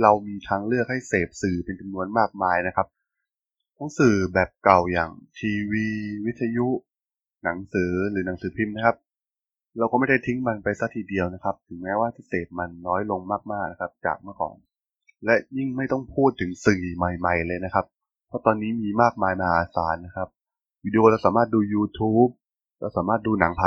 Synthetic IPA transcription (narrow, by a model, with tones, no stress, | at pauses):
ɾa˧wmiː˧t̪ʰaː˧ŋlɯ˥˩ək̚ha˥˩jseː˨˩p̚sɯː˨˩pe˧nt͡ɕa˧mnu˧ənmaː˥˩k̚maː˧jna˦˥kʰa˦˥p̚ | kʰɔ˨˦ŋsɯː˨˩bɛː˨˩p̚ka˨˩wjaː˨˩ŋt̪ʰiː˧wiː˧wi˦˥t̪ʰːa˧ju˦˥ʔ | na˩˦ŋsɯː˩˦ɾɯː˩˦na˨˩˦ŋsɯː˩˦pʰi˧˩mna˦˥kʰa˦˥p̚ | ɾa˧wkɔː˥˩ma˥˩jda˥˩t̪ʰi˦˥ŋma˧npa˧jsa˦˥t̪ʰiː˨˩di˧əwna˦˥kʰa˦˥p̚t̪ʰɯ˩˦ŋmɛː˦˥waː˥˩t̪ʰi˦˥˩seː˨˩p̚ma˧nːɔː˦˥jlo˧ŋmaː˥˩k̚maː˥˩k̚na˦˥kʰa˦˥p̚t͡ɕa̰ː˨˩k̚mɯ˥˩əkʰɔ̰ː˩˦ŋ | lɛ˦˥ʔji˥˩ŋma˥˩jt̪ɔ˥˩ŋpʰuː˥˩t̪ʰːɯ˨˩˦ŋsɯ˨˩˨ma˨˩jma˨˩jlɤː˧jna˦˥kʰa˦˥p̚ | pʰːɔ˦˥t̪ɔː˧nːiː˦˥miː˧maː˥˩k̚maː˧jma˧aː˧˨˧sa̰ː˩˦nːa˦˥kʰa˦˥p̚ | wiː˧di˧ʔoː˧la˧wsaː˩˦maː˥˩t̪̚duː˧juː˧t̪ʰuː˦˥p̚ | la˧wsaː˩˦maː˥˩t̪̚duː˧na˩˦ŋpʰa˧˩